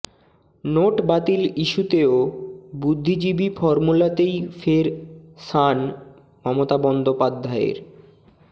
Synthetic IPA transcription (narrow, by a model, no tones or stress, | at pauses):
noʈbat̪iliʃut̪eobud̪ʱːid͡ʑibifɔɾmulat̪ejfeɾsan | mɔmot̪abɔnd̪opad̪ʱːaḛɾ